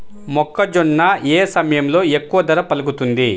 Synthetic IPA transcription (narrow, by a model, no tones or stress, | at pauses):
mɔkːɐd͡ʒɔɳːɐeːsɐmɐjɐmlo̞ːe̞kːuʋɐd̪ɐɾɐpɐluɡut̪und̪i